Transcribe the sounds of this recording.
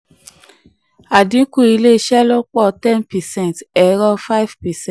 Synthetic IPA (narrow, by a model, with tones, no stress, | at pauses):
a˨dĩ˨˦ku˦˨i˧le˦˧˦ʃɛ˦lɔ˦k͡pɔ˦˨tɛ˦npɛ˨sɛ̃˦˨ntɛ˨˦ɾɔ˧fa˦vpɛ˨sɛ̃˦˨